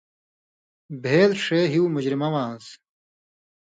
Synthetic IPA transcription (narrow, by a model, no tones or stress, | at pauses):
bʱeːlʂeːɦiumud͡ʑɾimɐwãːns